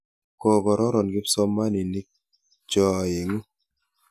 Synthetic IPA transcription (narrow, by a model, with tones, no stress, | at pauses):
kɔ˦˨ɡɔ˨ɾɔ˦ɾɔ˨nɡɪ˦psɔ˦mːa˦ni˨ni˦k̚ | d͡ʒɔ˨ji˨ŋu˦